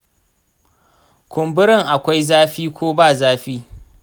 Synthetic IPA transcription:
kʷʊ˨mbʊ˦ɾɪ˨ŋʔa˨kʷa˦jzaː˦ɸiː˦kʷʰoː˦baː˦˨zaː˦ɸiː˦

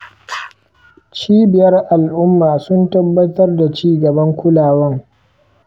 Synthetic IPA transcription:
t͡ʃiː˦bɪ˨jɐ˦rʔa˨lʔʊ˦mːaː˨sʊ˦ntɐ˦bːɐ˦tɐ˦rda˨t͡ʃiː˦ɡɐ˨bɐ˦ŋkʷʊ˦laː˨wɐ˦ŋ

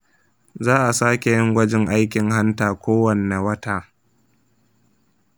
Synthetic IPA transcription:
zaː˦ʔa˨saː˦kʲe˨jɪ˦ŋɡʷɐ˦d͡ʒɪ˦ŋʔa˦jkʲɪ˨ŋɦa˦ntaː˨kʷoː˦wɐ˨nːe˨wɐ˦taː˨

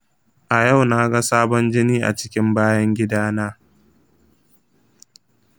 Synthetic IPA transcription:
ʔa˨jɐ˦˨wnaː˦ɡa˦saː˦bɔ˦nd͡ʒɪ˦niː˦ʔa̰˨t͡ʃɪ̥˦kʲɪ˦mbaː˦jɐ˦ŋɡʲɪ˦daː˦naː˦

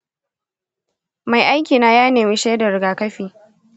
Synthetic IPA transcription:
ma˨jʔa˦jkʲiː˨naː˦jaː˦neː˨mɪ˦ʃeː˦da˨ɾɪ˨ɡaː˨kɐ˦ɸiː˨

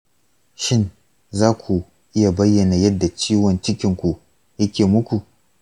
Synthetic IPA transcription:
ʃɪ˦n | zaː˦kʷʰu˨ | ʔɪ˦ja˨bɐ˦jːɐ˨na˨jɐ˦dːa˨t͡ʃiː˦wɔ˨nt͡ʃɪ˦kʲɪ˨ŋkʷu˨ | jɐ˦kʲeː˨mʊ˦kʷu˨ʔ

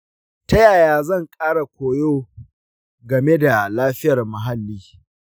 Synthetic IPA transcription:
tɐ˦jaː˨jaː˦zɐ˦˨ŋkʼaː˦ɽa˨kʷoː˨joː˦ | ɡɐ˨me˦da˨laː˦ɸɪ˦jɐ˨rmɐ˨ɦa˦lːiː˦

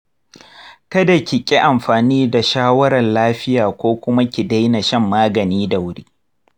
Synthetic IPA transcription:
kɐ˦da˨kʲɪ˨kʲʼi˦ʔa˨mɸaː˨niː˦da˨ʃaː˦wɐ˦ɾɐ˨nlaː˦ɸɪ˦jaː˨kʷoː˦kʷʊ˦ma˦kʲi˨da˦jna˨ʃɐ˦mːaː˦ɡɐ˨niː˦da˨wʊ˦ɽiː˦

